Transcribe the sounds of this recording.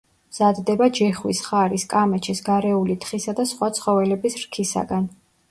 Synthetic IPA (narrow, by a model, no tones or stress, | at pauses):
mz̥ad̪d̪ɛbad͡ʒɛχwisχaɾiskʼamɛt͡ʃʰisɡaɾɛulit̪ʰχisad̪asχwat̪sʰχɔvɛlɛbisɾkʰisa̰ɡan